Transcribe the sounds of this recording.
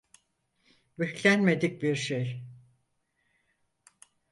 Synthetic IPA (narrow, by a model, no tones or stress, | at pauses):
beçlʲænme̞d̪ic̚biɾʃej